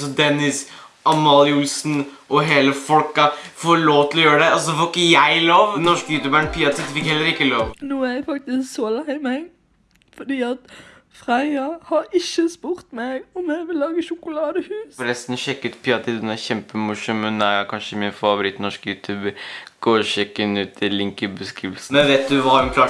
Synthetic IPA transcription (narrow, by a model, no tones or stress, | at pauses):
sɔd̪ɛnɪsɑmɑːlɪʊlsn | ɔɦeːləfɔlkɑfoːɭoːʋt̪ʰɪlɔjøːɾəɖ̪ɛɑlsɔd̪ɛfoːɾɪkːəjæɪloːʋnɔʂkəjʉːt̪ʉːbæːɳpʰiːɑt̪ʰɪt̪fɪkhɛlːəɾɪkːəloːʋnuːæɾæfɑk̚t̪ɪsksɔlæɪmɛ | fɔɖiːɑt̪ | fɾæɪɑhɑɾɪçəspʊɾt̪mɛɡɔmjæɪʋɪlːɑːɡəʃʊkʊlɑːd̪əhʉːsɾɛst̪nɔʃɛkːəɾʉːt̪pʰiːɑt̪ʰɪt̪d̪ɛnæɾçɛmpəmʊʂɔmːɛnækʰɑnʂəmɪnfɑʋʊɾɪt̪nɔʂkjʉːt̪ʰʉːbəɾɡ̥oːɾʃɛkːɪnʉːt̪ʰɪlɪŋkəbəskɾiːʋəls̩ɛnʋeːt̪̚d̪ʉʋɑɛnkʰlɑː